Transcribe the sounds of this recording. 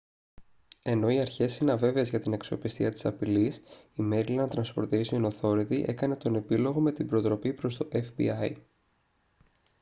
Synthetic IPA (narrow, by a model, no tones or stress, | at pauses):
e̞no̞iɐɾçe̞sinɐve̞veːzʝɐt̪ineksio̞pist̪iɐt̪i̥sɐpilisime̞ɾilɐnɐt̪ɾɐnspo̞ɾt̪isiono̞θo̞ɾit̪iʔe̞kɐne̞t̪o̞ne̞pilo̞ɣo̞me̞t̪ibɾot̪ɾo̞pipɾo̞st̪o̞ʔefbḭɐj